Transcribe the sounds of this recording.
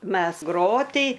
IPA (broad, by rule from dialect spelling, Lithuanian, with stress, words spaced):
ˈmʲɛs ˈɡroːtʲiː